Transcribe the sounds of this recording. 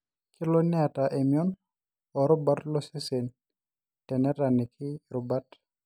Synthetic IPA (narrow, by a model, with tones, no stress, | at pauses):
kʰɪ˦lo˦nɪ˦a˨ta˨ʔe˨mjɔ˦n | ɔ˨ɾʊ˦ba˦tlɔ˦se˦se˨n | tɛ˨nɛ˦ɾa˨nɪ˨kʰɪ˦ɾʊ˨ba˦t